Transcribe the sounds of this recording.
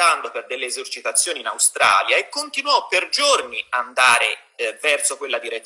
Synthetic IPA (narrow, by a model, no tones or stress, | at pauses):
and̪operd̪elːeːzort͡ʃit̪at̪sːjoːninawst̪ɾa̰ːljaekːont̪inwɔpːerd͡ʒorniand̪aːɾe | vɛrsokwelːad̪iɾe